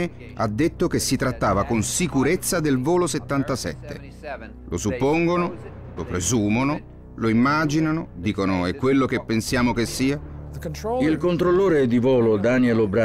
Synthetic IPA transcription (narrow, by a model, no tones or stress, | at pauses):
e | a̰d̪ːet̪ːok̟esːit̪ɾat̪ːaːvakonsikuɾet̪sːad̪elvoːloset̪ːant̪asɛ̰t̪ːḛ | lʔo̰supːoŋɡono | lopɾezuːmono | loimːaːd͡ʒinanod̪iːkonoɛkːwelːok̟epːensjaːmokesːiːa | ilkont̪ɾolːoːɾed̪ivoːlod̪anielobɾa